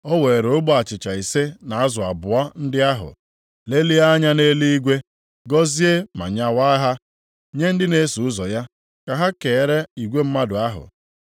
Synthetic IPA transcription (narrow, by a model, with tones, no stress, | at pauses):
ɔ˦we˨ɾo˨ʊ˦ɡ͡bʊ˦a˨t͡ʃɪ˨t͡ʃa˨i˨se˦na˨a˦zʊ˨a˨bʊ˨a˦n̩˦dɪ˦a˦ɦʊ̰˨ | le˦li˦a˦ɲa˦ne˦li˦i˦ɡʷe˦ | ɡɔ˦zi˦e˦ma̰˨ɲa˦wa˦ɦa˦ | ɲe˦n̩˦dɪ˦ne˦su˨ʊ˦zɔ˨ja˦ | ka˨ɦa˦ke˨˦˨ɾe˦i˨ɡʷe˦m̩˦ma˦dʊ˨a˦ɦʊ̰˨